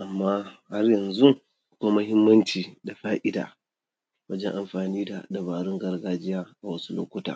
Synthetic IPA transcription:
ʔa˨mːaː˦ha˦rjɐ˨nzu˦ | ʔa˨kʷa˦mɐ˦ɦɪ˦mːɐ˦nt͡ʃiː˨da˨ɸaː˦ʔɪ˦da̰ː˨ | wɐ˦d͡ʒɛ˦ʔa˨mɸaː˨niː˦da̰˨dɐ˨βaː˨ɾɪ˦ŋɡɐ˦rɡaː˦d͡ʒɪ˦jaː˦ʔa˨wɐ˦su̥˦lo̰ː˦kʷʊ˦ta̰ː˨

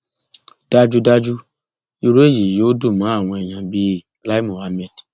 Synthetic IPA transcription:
d̥a˦d͡ʒu˦da˦d͡ʒu˦ | i˦ɾe˦d͡ʒi˨jo˦du˦˨mã˨˦a˦˨wʷe˨jã˨bi˦ | la˦i˦mo˨a˨˦me˦˨d

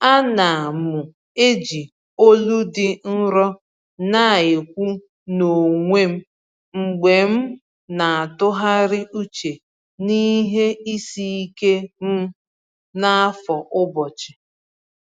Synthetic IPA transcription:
a˦na˨a˨mʊ˨ | e˦d͡ʒi˨ | o˦lu˦dɪ˦n̩˦ɾɔ˦ | na˦˨e˨kʷu˦ | no˨ŋʷe˦m̩˦ | ŋ͡m̩˨ɡ͡be˨m̩˦ | na˨a˨tʊ˦ɦa˦ɾɪ˦u˦t͡ʃe˨ | ni˦ɦe˦i˦si˦i˦ke˦m̩˦ | na˦a˦fɔ˨ʔʊ˦bɔ˨t͡ʃɪ˨

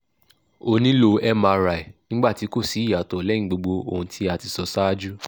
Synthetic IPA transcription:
o˧nĩ˦lo˧ɛ˦mã˧ɾa˨e˨nĩ˦ɡ͡ba˦˨ti˨˦ko˦˨si˨˦i˦˨ja˨tɔ˨lɛ˦ĩ˨˦ɡ͡bo˧ɡ͡bo˧o˧˨ũ˧tʰi˧˦a˧ti˧sɔ˨sa˦d͡ʒu˦

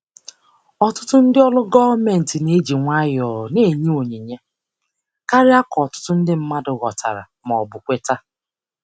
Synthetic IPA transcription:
ɔ˦tʊ˦tʊ˦n̩˦dɪ˦ɔ˦lʊ˦ɡɔ˦vme˨n̩˨tɪ˨ne˦d͡ʒi˨ŋʷa˦jɔ˨ne˦˨ɲi˦o˨ɲe˨ɲe˦ | ka˦ɾɪ˦a˦kɔ˨tʊ̥˦tʊ˦n̩˦dɪ˦m̩˦ma˦dʊ˨ɣɔ˨tʰa̰˨ɾa̰˨mɔ˨bʊ˨kʷe˦ta˦

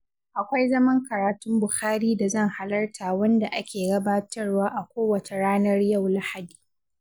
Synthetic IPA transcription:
ʔa˨kʷa˦jzɐ˦mɐ˦ŋkɐ˨ɾaː˨tʊ˦mbʊ˨xaː˦ɾiː˦da˨zɐ˦˨ŋha˨lɐ˦rtʰaː˨wɐ˦nda˨ʔa˦kʲʰeː˨ɡɐ˦baː˦tɐ˦rwaː˦ʔa˨kʷoː˦wɐ˨t͡ʃe˨ɽaː˦nɐ˦rja˦˨wla˦ha˨diː˨

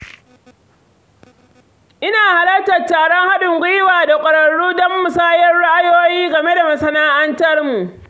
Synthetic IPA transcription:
ʔɪ˦naː˨ha˨lɐ˦k̚tɐ˨rtaː˨ɽɔ˦ŋha˦ɗʊ˨ŋɡʷʊ˦jɪ˦waː˨da˨kʷʼɐ˨ɽɐ˨ɽːuː˦dɔ˦mːʊ˨saː˦jɐ˦rɽa˦ʔa˦joː˦jiː˦ɡɐ˨me˦da˨mɐ˨sɐ˦naː˦ʔɐ˦ntɐ˦rmu˨ʔ

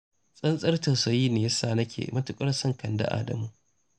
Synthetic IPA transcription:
sʼɐ˦nsʼɐ˦rtɐ˨wsɐ˨jiː˦neː˨jɐ˦saː˦˨nɐ˦kʲʰḛ˨mɐ˦tʊ˨kʼɐ˦rsɐ˦ŋkɐ˨nda̰˦ʔa̰ː˦dɐ̰˨muː˦

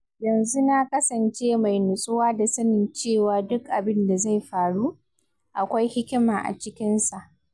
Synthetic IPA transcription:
jɐ˨nzu˦na˦kɐ˦sɐ˨nt͡ʃeː˦ma˨jnʊ˨sʼʊ˦waː˦da˨sɐ˦nɪ˨nt͡ʃeː˦˨waː˨dʊ˦kʔa˨bɪ˦nda˨za˦˨jɸaː˨ɽu˦ | ʔa˨kʷa˦jhɪ˦kʲɪ˦maː˨ʔa̰˨t͡ʃɪ˦kʲɪ˦nsa˨ʔ

